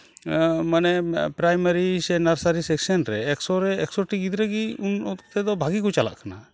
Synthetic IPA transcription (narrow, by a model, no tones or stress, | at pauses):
manɛpɾajmaɾisɛnaɾsaɾisɛksanɾɛːksɔɾɛːksɔʈiɡid̪ɾɛɡiunɔt̪t̪ɛd̪ɔbʱaɡikut͡ʃala̰ʔkʰana